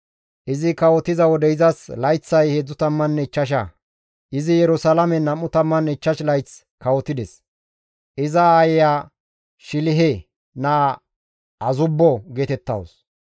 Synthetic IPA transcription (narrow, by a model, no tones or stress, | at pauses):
ʔɪzɪkɐwɔt̪ɪzɐwɔd̪ɛɪzɐslɐjt͡sːɐjheːd͡zːʊt̪ɐmːɐnːɛɪt͡ʃːɐʃ̬ɐ̰ | ʔɪzɪjɛɾʊsɐlɐmɛnɐmːʊt̪ɐmːɐnːɪt͡ʃːɐʃlɐjt͡s | kɐwɔt̪ːɪd̪ɛs | ʔɪzɐaːjjaː | ʃɪlɪɦe | nɐ | ɐzʊbːɔɡeːt̪ɛt̪ːɐ̰ws